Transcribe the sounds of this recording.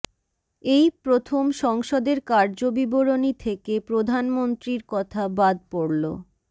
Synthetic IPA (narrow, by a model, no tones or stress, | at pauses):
ejpɾot̪ʰomʃɔŋʃod̪eɾkaɾd͡ʑobiboɾonit̪ʰekepɾod̪ʱanmont̪ɾiɾkɔt̪ʰabad̪̚poɽlo̰